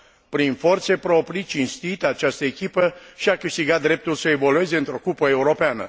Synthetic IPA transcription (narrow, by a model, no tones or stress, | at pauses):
pɾinfo̞rt̪se̞pɾo̞pɾit͡ʃinst̪it̪at͡ʃast̪əekʲipəʃiakɨʃt̪iɡat̪̚d̪ɾe̞p̚t̪ulsəe̞vo̞lue̞ze̞ɨnt̪ɾo̞kupəe̞uɾo̞peanə̰